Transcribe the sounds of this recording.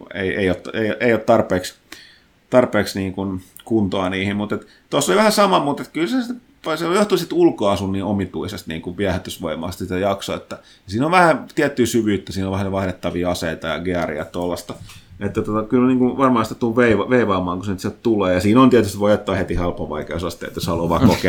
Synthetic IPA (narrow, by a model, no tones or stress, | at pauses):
ḛiḛiot̪ːeioʔeiot̪t̪ɑrpˑeːks | t̪ɑrpeːksniːŋkunkunt̪oɑniːhimmut̪et̪ | t̪osːoliʋæhæsɑmɑmut̪et̪kylsesit̪ | psejoht̪uisit̪ulkoɑsunːiomit̪uisest̪nḭːŋkuʋʋiæhæt̪ːysʋoimˑɑ̰ːˑst̪sit̪æjɑkso̰ḛt̪ːæ | jɑsiːnoʋʋæhæt̪iæt̪ːyːsyʋyːt̪ːæsiːnoʋæhæʋɑhɾet̪ːɑʋiːɑseit̪ɑjɑ̰ɡiærḭɑ̰t̪olːɑst̪ɑet̪ːæt̪ot̪ɑkylniːŋkunʋɑrmɑːnsit̪æt̪ːulʋeiʋɑʋeiʋɑːmɑːŋkusenyt̪siæt̪t̪uleːjɑsiːnont̪iæt̪yst̪iʋoijɑt̪ːoɑːhet̪ihelpːɑʋɑ̰ikḛosɑst̪ːˑḛˑt̪ːæshɑluːʋɑ̰ːkoke